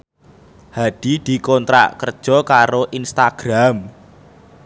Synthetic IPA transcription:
haɖ̪̥i̤d̪̥i̤kɔnt̪ɾa̰ʔkərd̥ʒ̥ɔ̤kaɾoʔinst̪aɡ̥ɾam

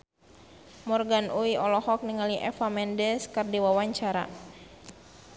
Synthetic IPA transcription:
mɔrɡanʔuiɔlɔhɔk̚niŋaliʔɛfamɛndɛskərdiwawaɲt͡ʃaɾa̰

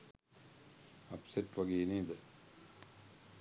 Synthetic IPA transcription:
ɐpseʈʋɐɡeːniːd̪ɐ

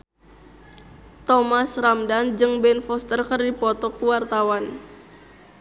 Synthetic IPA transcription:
t̪ɔmasramdand͡ʒɨŋbɛnfɔst̪ərkərdipɔt̪ɔkuwart̪awan

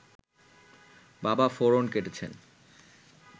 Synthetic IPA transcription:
babafoɾonkeʈet͡ɕʰḛn

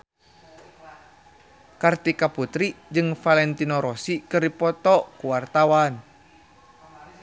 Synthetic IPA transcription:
kart̪ikaput̪ɾid͡ʒɨŋfalɛnt̪inɔɾɔsikɨrdipɔt̪ɔkuwart̪awan

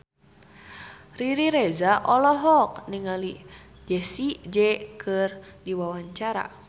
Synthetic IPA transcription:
riɾiɾɛzaʔɔlɔɦɔk̚niŋali | d͡ʒɛsid͡ʒɛkʰɨr | diwawaɲt͡ʃaɾa̰

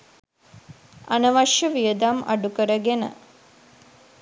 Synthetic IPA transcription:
ɐnɐʋɐʃjɐʋijəd̪amɐ̰ɖukɐɾɐɡenə̰

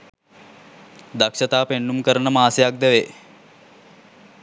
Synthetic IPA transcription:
d̪akʂət̪aːpenːumkəɾənəmaːsejak̚d̪əʋe

